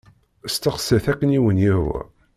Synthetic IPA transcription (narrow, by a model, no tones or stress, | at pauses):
st̪əχsəθækːəniwənjihwæ̰